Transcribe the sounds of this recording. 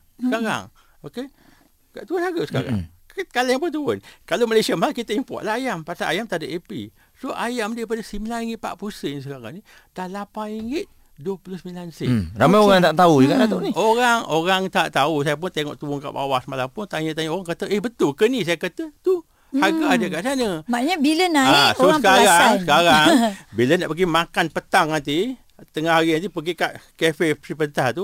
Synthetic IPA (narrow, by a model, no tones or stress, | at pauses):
səkaɾa̰ŋ | oke | kaʔt̪uʊnhaɡasə̥ka̰ɾa̰ | kalɛŋpʊnt̪uʊnkalomalesiamaalkit̪əimpɔ̰t̪laɦajampasaʔajamt̪adəʔepḭ | soʔajamdaip̬adasimilaiŋɪt̪̚pa̰ʔpursənis̬əkaɣaŋni | taʔlapaiŋɪt̪̚ | duəpulʊhsəmilansiramajoɣaŋt̪aʔt̪auikadat̪uʔnioɾaŋoɣaŋt̪aʔt̪ausajap̬ʊnt̪eŋɔ̰ʔt̪uʊŋka̰ʔba̰wasmalampʊnt̪aɲət̪aɲəoɣaŋkət̪əʔehbət̪ʊlkənis̬ajakat̪ət̪u | haɡaːdəkaʔsanəmaɲabilənaasoskaɾasəkaɾaŋbiləna̰ʔpəɡimakanpət̪aŋːant̪i | t̪əŋahɦaɾiant̪̬ipəɡikaʔkefesipənt̪aht̪u